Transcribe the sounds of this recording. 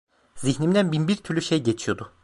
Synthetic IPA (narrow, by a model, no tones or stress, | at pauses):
ziçnimd̪ænbinbiɾt̪ʰyɾlʲyʃejɟet͡ʃʰijo̞d̪ʊ